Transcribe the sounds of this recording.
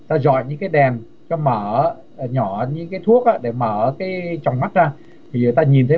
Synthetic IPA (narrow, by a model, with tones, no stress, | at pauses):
t̪aː˧zɔ̰˧˨jɲɨ̰˧˥ŋkaː˨˦jɗɛ˨˩n | t͡ɕɔ˧məː˧˩˦ | ɲɔ˧˩ɲɨ̰˧˥ŋkaː˨˦jt̪ʰu˦˥ək̚ʔaː˧ɗe˧˩məː˧˩˧kaː˨˦jt͡ɕɔ˨˩wŋ͡mma˦˥t̚zaː˧ | t̪ʰi˨˩ɲɨ˨˩t̪aː˧ɲi˨˩nt̪ʰə˨˦